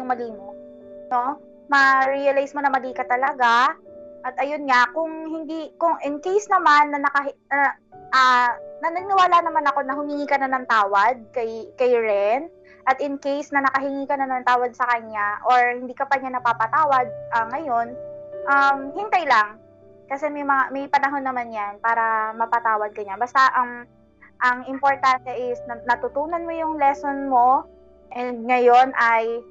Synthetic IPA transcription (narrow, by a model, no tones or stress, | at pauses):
jʊŋmɐliːmo | no̞ | mɐɾiɐlajsmo̞nɐmɐliːkɐt̪ɐlɐɡaʔɐt̪̚ʔɐjonɲakʊŋhɪnd̪ikʊŋʔɪnkejsnɐmanːɐnɐkɐɦnɐ | ʔanɐnɐɪnɪwaːlaʔnɐmanɐko̞nɐɦʊmɪŋiːkɐnanɐŋt̪aːwɐd̪̚kɐjkɐjɹɛn | ʔɐt̪ɪnkejsnɐnɐkɐɦɪŋiːkɐnanɐŋt̪aːwɐd̪̚sɐkɐɲaʔo̞ɹhɪnd̪iːkɐpɐɲanɐpapɐt̪aːwɐd̪̚ʔɐŋɐjo̞nʔɐmhɪnt̪ajlaŋ | kɐsɛmɐjmɐŋamɐjpɐnɐɦo̞nːɐmanjanpaːɾɐmɐpɐt̪aːwɐd̪̚kɐɲabɐst̪aʔɐŋ | ʔɐŋɪmpoɹt̪ant̪ɛʔɪsnɐnɐt̪ʊt̪uːnɐnmo̞jʊŋlɛso̞nmo̞ | ʔɛnd̪̚ŋɐjo̞nʔɐj